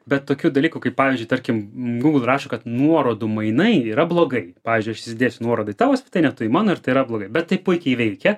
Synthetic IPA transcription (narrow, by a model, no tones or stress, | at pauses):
bʲɛt̪t̪ːoːkʲuːd̪ɐlʲiːkʊkɐɪpɑːʋʲiːzʲd͡ʒʊɪt̪ɐɾʲkʲɪmɡuːɡl̩ˠrɑːʃokɐt̪nuɔɾoːd̪ʊmɐɪnɐɪiːɾɐblˠoːɡɐɪpɑːʋʲiːzʲd͡ʒʲʊɪɐʃssʲɪsʲɪd̪ʲeːsʲʊnuɔɾoːd̪ɐɪt̪ɑːʋoːsʲpʲɪt̪ɐɪnʲɛt̪ʊɪmɑːnoːɪɾt̪ɐɪiɾɐblˠoːɡɐɪbʲɛt̪tːɐɪpʊɪkʲɛɪʋʲɛɪkʲɛ